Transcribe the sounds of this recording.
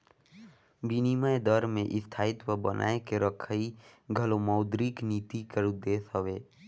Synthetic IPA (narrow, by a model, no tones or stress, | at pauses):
binimaed̪ɔɾmẽʔɪst̪ʰaːɪt̪wəbənʔa̰ːekeɾəkʰəiɡʱəlomɔʊd̪ɾikniːt̪ikəɾud̪eːsəʋeː